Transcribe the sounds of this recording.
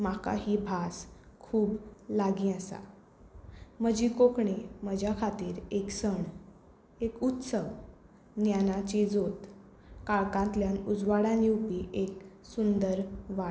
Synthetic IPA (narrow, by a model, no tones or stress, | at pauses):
maka̰ɦiːbʱas | kʰuːblaɡĩəsa̰ | məd͡ʑiːkokɳeməd͡ʑʱjakʰat̪iːɾeksəɳ | ekut̪səʋ | njanat͡ɕid͡zot̪ | kaɭkãnt̪ljanud͡zʋaɽãnĩupiːʔek | sund̪əɾʋa